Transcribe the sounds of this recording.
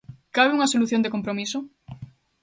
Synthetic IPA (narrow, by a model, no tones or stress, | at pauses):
kaβeuŋasoluθjond̪ekompɾomiso